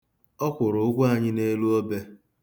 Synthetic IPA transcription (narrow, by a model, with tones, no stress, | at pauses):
ɔ˦kʷʊ˨ɾʊ˨ʊ˦ɡʷʊ˦a˨ɲɪ˦ne˦lu˦o˦be˦